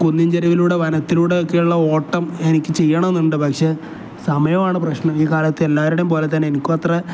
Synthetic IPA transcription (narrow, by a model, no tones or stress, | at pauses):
konːiɲd͡ʑɐɾɐʋiluːɽe̞ʋɐnɐt̪ːiluːɽe̞o̞kːe̞juɭːɐo̞ːʈːɐme̞nikʲːɨt͡ɕe̞jːɐɳɐme̞nːuɳɖɨpɐkʂe̞ː | sɐmɐjɐmaːɳɨprɐɕɳɐmiːkaːlɐt̪ːɨe̞lːaːʋɐɾuɽempo̞ːle̞t̪̬ːɐnenikʲːuɐt̪rɐ